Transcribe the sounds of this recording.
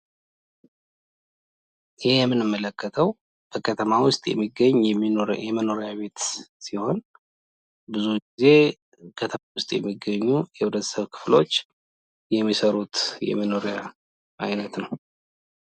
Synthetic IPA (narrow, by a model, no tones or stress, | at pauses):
jɪhjɛmːɨnɨmːələkʰːət̪ʰəw | b̥əkʰət̪ʰəmawʊst̪ʼjɛ̰mːiɡəɲːɛmːinoɾjɛməno̞ɾjaβe̞t̪siho̞n | bɨzuɡize̞ | kʰət̪ʰəawʊst̪ʼjɛ̰mːiɡːəɲːujɛhulət̪səβkʰɨ̥flo̞̰t͡ʃː | jɛmːisəɾut̪jɛ̰mːəno̞ɾja | ʔa̰jnət̪nəw